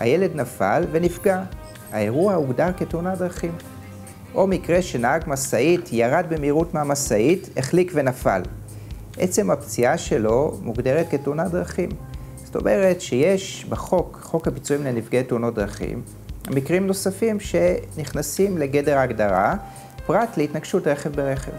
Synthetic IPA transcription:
ha̰je̞le̞dnafa̰lve̞nifɡa | aeʁuauɡdaʁketunadʁaχim | ʔo̞mikʁe̞ʃe̞naaɡmasaitjaʁad̚bemiʁutmeamasaiteχlikve̞nafa̰l | ʔe̞t͡se̞mapt͡siaʃe̞lo̞muɡdeʁet̚ketunad̪ʁaχim | sto̞̰me̞ʁe̞tʃeje̞ʃbeχo̞kχo̞khapit͡suimlenifɡejteuno̞t̚d̪ʁaχḭm | a̰mikʁimno̞safimʃe̞niχnasimle̞ɡe̞de̞ʁaːɡdaʁa | pʁatleitnaɡʃutʁeχe̞vbeʁe̞χe̞̰v

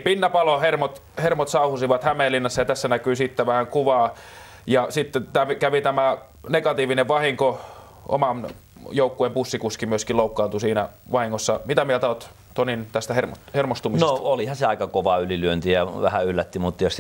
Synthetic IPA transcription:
pinːæpɑlohermot̪ | hermot̪sɑuhusiʋɑt̪hæmeːlːinːɑsːɑjɑt̪æsːænækyːsit̪ːæʋæhæŋkuʋɑː | jɑsit̪ːet̪æmikæʋit̪æmæ | neɡɑt̪iːʋineʋʋɑhiŋko | ʔo̰mɑn | joukːuempusːikuskimyøskiloˑukːɑːnt̪usiːnæʋɑhiŋːosːɑmit̪æmielt̪æot̪ | t̪onint̪æst̪æhermot̪hermost̪umisenosolihɑseɑˑikɑkoʋɑylilyønt̪ijɑʋæhæylːæt̪ːimmut̪ːɑjos

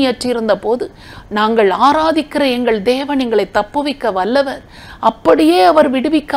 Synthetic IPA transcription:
ɪjɐʈrɪɪɾɯnd̪ɐpoːðɯ | naːŋɡɐɭaːɾaːðɪkːɪɾɐɛŋɡɐɭd̪eːʋɐnɪŋɡɐɭɐɪt̪ːɐpːɯʋɪkːɐʋɐlːɐʋɐɾ | ʔɐpːɐɽɪjeːɐʋɐɾʋɪɽɯʋɪkː

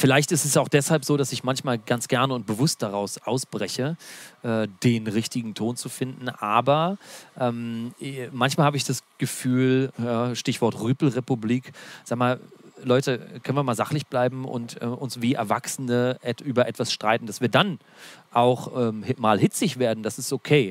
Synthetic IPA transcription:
fɪlaɪçtɪstɛsaʊxd̥ɛshalpz̥oːɾasɪçmançmaːlɡant͡sɡ̥ɛɐnəʊnt̚b̥əvʊst̚d̥aʁaʊsʔaʊsb̥ʁɛçəʔɛːd̥eːnʁɪçtɪɡŋ̩tʰoːnt͡sufɪndn̩ʔaːbɐʔɛːm | mançmaːlhaːbəɪçd̥asɡ̥əfyːljaːʃtɪçv̥ɔɐtʁyːpl̩ʁepubliːkzaːɡmaːllɔʏtəkʰœnviːɐmaːlzaχlɪçb̥laɪbm̩ʔʊ̰ntʔɛ̰ːʔʊnsv̥iːʔɛ̰ɐva̰ksənəʔɛtʔyːbɐʔɛtv̥asʃtʁ̥aɪtn̩d̥asv̥iːɐdan | ʔaʊxʔɛːmmaːlhɪt͡sɪçv̥eːɐdn̩d̥asɪstʔokʰeː

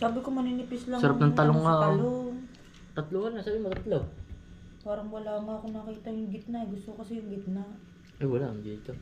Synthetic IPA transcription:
saːbɪkomɐnɪnɪpɪslɐŋsɐɾap̚nɐŋt̪ɐloŋːaʔloŋ | t̪ɐt̪lohanɐsaːbɪmot̪ɐt̪loɡ̚ | waːɾɐŋwɐlaːmʊɐkonɐkiːt̪ɐjʊŋɡɪt̪naɡʊst̪okɐsɛjʊŋɡɪt̪̚na | ʔɐjwɐlaʔɐŋd̪iːt̪o

